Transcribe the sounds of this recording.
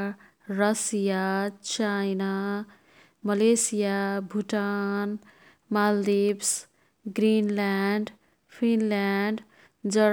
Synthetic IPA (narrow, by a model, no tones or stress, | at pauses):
ɾʌsijat͡ʃajna | mʌlesijabʱuʈan | mald̪ibs | ɡɾinlanɖ | pʰinlanɖ | d͡zʌ